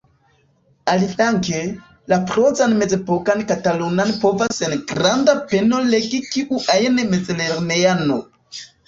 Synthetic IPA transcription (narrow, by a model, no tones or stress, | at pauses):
aliflaŋke | lapɾozanme̞d͡ze̞pokankatalunanpo̞vasenɡɾandape̞no̞le̞ɡikiʔuʔajnmed͡zeleɾneano